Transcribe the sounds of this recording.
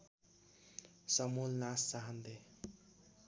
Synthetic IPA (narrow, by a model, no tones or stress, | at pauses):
sʌmulnasːaɦʌnd̪e